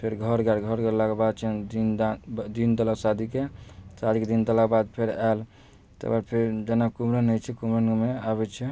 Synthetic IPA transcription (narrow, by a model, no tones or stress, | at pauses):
pʰeɾɡʱəɾɡaɾɡʱəɾɡɛɾlakebad̪̚t͡ʃʰɛd̪ind̪ind̪ələsad̪ʱikesad̪iked̪ind̪əlakebad̪̚pʰeɾal | t̪baɾpʰeɾd͡ʒenakumɾənət͡ʃʰɛkumɾənmeaβɛt͡ʃʰɛ